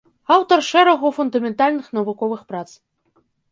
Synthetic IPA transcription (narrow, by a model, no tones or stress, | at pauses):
ɑwt̪orʃɛɾɐɣufund̪amʲent̪alʲnɨxnɐvukɔvɨxprat͡s